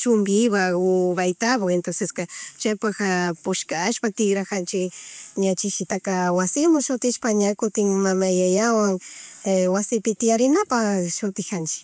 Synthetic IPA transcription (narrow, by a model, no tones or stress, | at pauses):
t͡ʃʊmbɪwaʊβajt̪abawent̪aseskat͡ʃajpaxapʊʃkaːʃpat̪ɪɡɾakant͡ʃɪɲat͡ʃɪʃɪt̪akawasɪmʊʃʊt̪ɪʃpaɲakʊt̪ɪŋmamajajawaŋ | wasɪpɪt̪ɪjaɾɪnapaʃʊt̪ɪxant͡ʃɪ̥